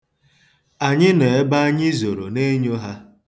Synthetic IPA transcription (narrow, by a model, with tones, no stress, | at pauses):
a˨ɲɪ˦ne˨e˦ba˦ɲɪ˦zo˨ɾo̰˨ne˦ɲo˦ɦa˦